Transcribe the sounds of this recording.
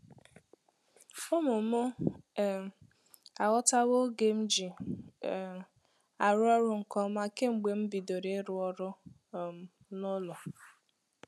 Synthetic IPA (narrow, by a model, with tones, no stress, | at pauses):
ʊ˦mʊ˨˦mʊ˦˨ | a˨wɔ˦ta˦wo˦ɡe˨m̩˦d͡ʒi˨ | a˨ɾʊ˦ɔ˦ɾʊ˦ŋ̩˨kɔ˦ma˦ke˦ŋ͡m̩˨ɡ͡be˨m̩˦bi˨do˨ɾe˦ɾʊ˦ɔ˦ɾʊ˦˨ | m˨ | nʊ˦lɔ˨